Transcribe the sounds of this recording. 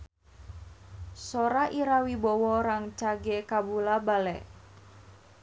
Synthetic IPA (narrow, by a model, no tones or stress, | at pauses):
soɾaʔiɾawibɔwɔɾaŋt͡ʃaɡekabulabalɛ̰ʔ